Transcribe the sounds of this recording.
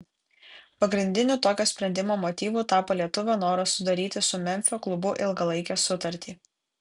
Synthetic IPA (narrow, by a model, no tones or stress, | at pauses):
pɐɡɾʲɪnʲd̪ʲɪnʲuːt̪oːkʲoːsʲpʲɾʲɛnʲd̪ʲɪmoːmoːt̪ʲiːʋuːt̪ɑːpoːlʲiɛt̪ʊʋʲonoːɾɐsʊd̪ɐɾʲiːt̪ʲɪsʊmʲɛmʲfʲoːklˠʊbʊʔɪlˠɡɐlˠɐɪkʲɛːsʊt̪ɐɾʲt̪ʲiː